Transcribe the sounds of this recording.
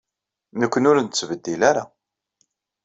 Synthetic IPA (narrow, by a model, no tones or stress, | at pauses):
nəkʷːənʊɾənt̪t͡sːvəd̪ːilaɾa